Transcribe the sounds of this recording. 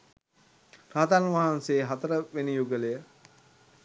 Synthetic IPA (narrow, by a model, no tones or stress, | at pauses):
raɦat̪anʋaɦanseːɦat̪əɾəʋenijuɡəlejə